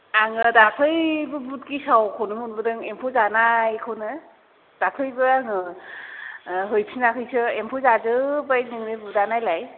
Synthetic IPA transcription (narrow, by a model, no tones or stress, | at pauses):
aŋɯdakʰɯjbɯbut̚kisawkʰonumunbɯdɯŋempʰɔzanajkʰɯwnɯ | d̥akʰɯjbɯaŋɯ | ɦɯjpʰinakʰɯjsɯempʰɔzazɯbajnɯŋɾɯbudanajlaj